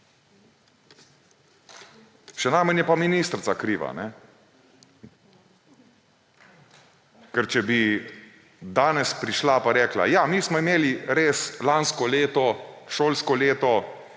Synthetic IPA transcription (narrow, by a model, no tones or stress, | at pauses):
ʃɛnajmənjɛpaminiːst̪ɾt̪sakɾiːʋa̰nɛ | kɛɾt͡ʃɛbi | d̪aːnɛspɾiʃlapaɾɛːkla̰jamiːsmɔimeːliɾeːslanskɔleːt̪ɔʃoːlskɔleːt̪ɔ